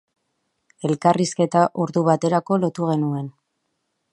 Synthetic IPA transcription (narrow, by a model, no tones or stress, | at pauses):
e̞lkariske̞t̪aʔuɾðuβat̪e̞ɾako̞lo̞t̪uɣ̞e̞nue̞n